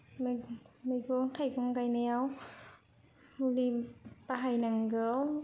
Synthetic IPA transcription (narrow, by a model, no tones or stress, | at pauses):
mmajkɔŋt̪ʰajkɔŋkajnɛw | lipaɦajnaŋɡɯw